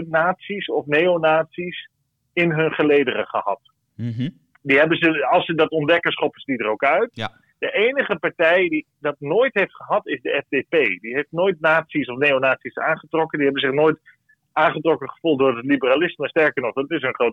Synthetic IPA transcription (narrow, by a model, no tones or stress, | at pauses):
naːtsisɔfneːonaːtsis | ɪnɦɵnχəlejdərə̰χə̰hɑ̰t | diɦɛbənzəɑlˠsədɑtɔndɛkənsχɔpəsdidərokœɥt | d̥əʔeːnəχəpaɹtɛjdi | dɑtnoːjtɦejftχəɦɑtɪzdəɛfdepejdiɦejftnoːjt̚naːtsisɔfnejonaːtsisa̰ːnχətrɔkəndiɦɛbənzɪχnoːjt | ʔaːnχətrɔkəχə̥fulˠt̚dʊːrdətlibəralɪsməstɛɹkəɹnɔχdɑtɪs̬ənχrot